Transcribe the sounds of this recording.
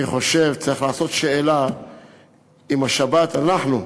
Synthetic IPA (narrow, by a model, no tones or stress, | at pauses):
iχo̞ʃe̞vt͡saʁiχlaːso̞t̪ʃe̞ela | imaʃabat̪anaħnu